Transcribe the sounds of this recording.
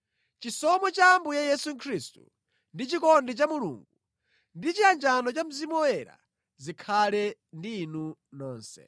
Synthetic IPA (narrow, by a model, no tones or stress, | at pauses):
t͡ʃisɔmɔt͡ʃaːmbujajɛsukʰɾistṵ | ndit͡ʃikɔndɛt͡ʃamulṵːŋɡu | ndit͡ʃiand͡ʒanɔt͡ʃam̩zimɔwɛɾa̰ | zikʰalɛndiːnunɔːnsɛ̰